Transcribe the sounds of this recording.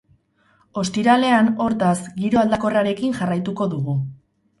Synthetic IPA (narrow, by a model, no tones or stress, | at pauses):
o̞st̪iɾale̞ano̞ɾt̪asɡiɾo̞ald̪ako̞raɾe̞kinʝarajt̪uko̞ðuɣu